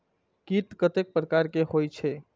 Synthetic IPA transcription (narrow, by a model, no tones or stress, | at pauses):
kit̪kət̪ek̚pɾəkaɾkeɦojt͡ʃʰe